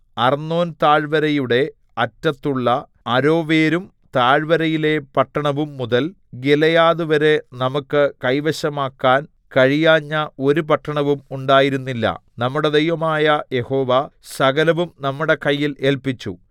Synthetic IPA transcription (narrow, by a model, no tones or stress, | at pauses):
ɐrnːo̞ːnt̪aːɻʋɐɾɐjuɽe̞ | ɐtːɐt̪ːuɭːɐ | ɐɾo̞ːʋeːɾum | t̪aːɻʋɐɾɐjile̞pɐʈːɐɳɐʋumːuðɐl | ɡelɐjaːðuʋɐɾe̞nɐmukːɨkɐjʋɐɕɐmaːkːaːn | kɐɻijaːɲːɐo̞ɾup̬ɐʈːɐɳɐʋumuɳɖaːjiɾunːilːɐ̰nɐmːuɽe̞d̪ejʋɐmaːjɐje̞ho̞ːʋɐsɐɡɐlɐʋumnɐmːuɽe̞kɐjːile̞ːlpit͡ɕːṵ